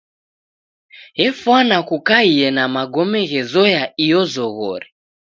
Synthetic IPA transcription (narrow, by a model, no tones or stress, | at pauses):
ɦɛfwanakukaijɛnamaɡɔmɛɣɛzɔjaijɔzɔɣɔ̰ɾɛ